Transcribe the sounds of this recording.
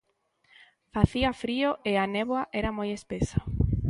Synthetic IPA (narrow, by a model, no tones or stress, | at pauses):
faθiafɾioʔeanɛβwaʔɛɾamojespesḁ